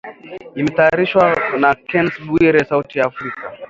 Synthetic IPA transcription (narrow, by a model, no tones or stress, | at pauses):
imɛtaːɾiʃwanakɛnsbuiɾɛsautijaːfɾika